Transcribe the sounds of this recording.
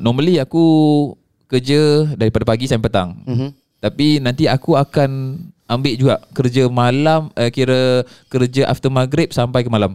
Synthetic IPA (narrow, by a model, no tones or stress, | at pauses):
nɔməliaku | kərd͡ʒədaɾipadapaɡisajmpət̪a̰ŋ | t̪apinant̪iakuakanambɪʔd͡ʒuaʔkərd͡ʒəmalaməkiɾəkəɾd͡ʒəʔa̰ft̪əmaɡɾɪp̚sampajkəmalam